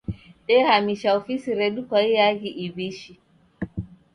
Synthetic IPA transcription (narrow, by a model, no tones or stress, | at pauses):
ɗɛhamiʃawfisiɾedukʷaijaɡiʔibiʃi